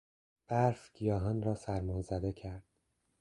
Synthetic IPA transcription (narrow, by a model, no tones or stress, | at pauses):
b̥æɾfɡ̥ijɒːɦɒːnɾɒːsæɾmɒnzæd̪ecʰæɾd̪̥̚